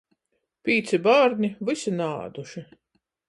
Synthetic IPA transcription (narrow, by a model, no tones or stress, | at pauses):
piːt̪sibaːɾnʲivɨsina̰ːd̪uʃi